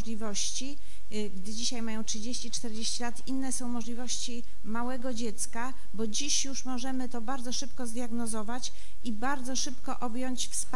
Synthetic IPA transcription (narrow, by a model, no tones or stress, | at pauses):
lʲivɔɕt͡ɕi | ɡd̪ɘd͡ʑiɕajmajɔ̃w̃tʂɘd͡ʑeɕt͡ɕit͡ʂt̪ɛɾd͡ʑeɕt͡ɕilat̪inːɛsɔ̃w̃mɔʐlʲivɔɕt͡ɕi | mawɛɡɔd͡ʑet̪ska | bɔd͡ʑiɕjuʂmɔʐɛmɘt̪ɔbaɾd̪zɔʂɘpkɔzd̪jaɡnɔzɔvat͡ɕ | ibaɾd̪zɔʂɘpkɔʔɔbjɔɲt͡ɕfsp